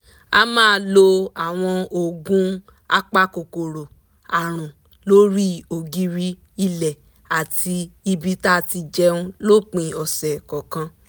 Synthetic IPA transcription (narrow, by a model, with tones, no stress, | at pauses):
a˧mãː˦lo˧a˨w̃ɔ̃˧o˧ɡũ˦ | a̰˦k͡pa˦ko˨ko˨ɾo˨ | a˨ɾ̃ũ˨ | lo˦ɾi˦o˨ɡi˧ɾi˧ | i˧lɛ˨ | a˨tʰi˧i˧bi˦ta˦˨ti˧d͡ʒɛ˦ũ˦lo˦k͡pĩ˨˧ɔ˨sɛ˨kɔ˨kã˧˦